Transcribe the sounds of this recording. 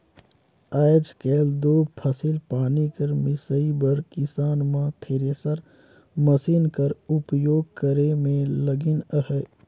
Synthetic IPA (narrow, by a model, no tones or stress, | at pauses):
aːɪd͡ʒkɛːld̪oːpʰəsɪlpaːnikəɾmɪsəibəɾkɪsaːnmãt̪ʰeːɾeːsəɾ | məsiːnkəɾʊpjoːɡ̚kəɾemẽləɡɪnəɦə